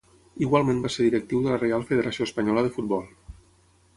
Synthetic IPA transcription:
iɣwalˠmẽmbaseɾðiɾək̚t̪iwðələrealˠfəðəɾəsioəspəɲɔləðəfut̪̚bɔlˠ

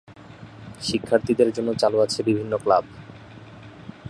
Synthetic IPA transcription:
ʃikʰːaɾt̪id̪eɾd͡ʑonːot͡ɕaloat͡ɕʰebibʱinːoklab

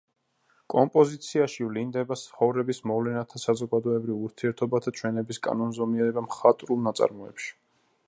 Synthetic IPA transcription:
kʼɔmpʼɔzit̪sʰiaʃivlind̪ɛbatsχɔvɾɛbismɔvlɛnat̪ʰasazɔɡad̪ɔɛbɾivuɾt̪ʰiɛɾt̪ʰɔbat̪ʰat͡ʃʰwɛnɛbiskʼa̰nɔnzɔmiɛɾɛbamχat̪ʼɾulˠnat̪sʼa̰ɾmɔɛ̰pʃi̥

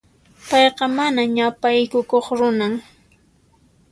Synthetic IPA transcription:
pɑjqɑmanaɲapajkʊkoχɾʊnaŋ

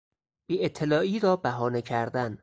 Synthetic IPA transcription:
b̥iːet̪ʰːelɒːʔiːɾɒːbæɦɒːnecʰæɾd̪æn

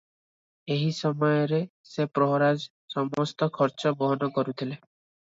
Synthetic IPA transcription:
eɦisɔmɔjɔɾesepɾɔɦɔɾad͡ʒ | sɔmɔst̪ɔkʰɔɾt͡ʃɔbɔɦɔnɔkɔɾut̪ʰile

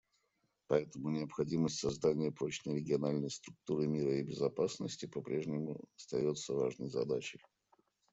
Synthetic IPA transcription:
pɐɛt̪əmʊnʲɪəpxɐdʲiməsʲtʲsɐzd̪anʲɪjəpɾot͡ɕnəjɾʲɪɡʲɪɐnalʲnəjst̪ɾʊk̚t̪uɾɨmʲiɾəɪbʲɪzɐpasnəsʲtʲɪpɐpɾʲʔeʐnʲɪmʊ̰ɐst̪ɐjo̞t̪səvaʐnəjzɐ̰d̪at͡ɕɪj

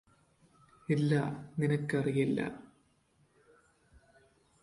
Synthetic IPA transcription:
elːaːninɐkːɐrijilːɐ̰

